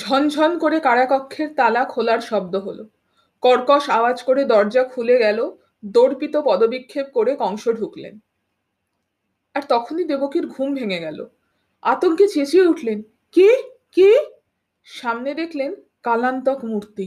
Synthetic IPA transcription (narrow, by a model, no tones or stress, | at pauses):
d͡ʑʱɔnd͡ʑʱɔnkoɾekaɽakɔkʰːeɾt̪alakʰolaɾʃɔb̚d̪oɦolo̰ | kɔɾkɔʃabad͡ʑkoɾed̪ɔɾd͡ʑakʰuleɡɛlo | d̪oɽpit̪opɔd̪obikʰːeb̚koɾekɔŋʃoɖʱuklḛn | aɾt̪ɔkʰonid̪ebokiɾɡʱumbʱeŋeɡɛlo̰ | a̰t̪oɡɡet͡ɕet͡ɕieuʈʰlen | ki | ki | ʃamned̪ekʰlen | kalant̪ɔkmuɾt̪i